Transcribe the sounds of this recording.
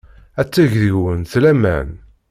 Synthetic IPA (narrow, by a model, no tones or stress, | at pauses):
æt͡sːæʝðiwənθlæmæ̰n